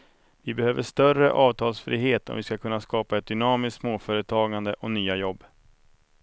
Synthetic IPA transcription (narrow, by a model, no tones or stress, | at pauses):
vɪbɛhøːvəʂt̪œrə̰ʔɑːvt̪ʰɑːlsfɾḭːɦeːt̪ɔ̰mvɪskakʰɵnːaskɑːpaɛt̪̚d̪ʏnɑːmɪsk̪smoːfœːɾət̪ʰɑːɡand̪əʔɔnyːajɔbː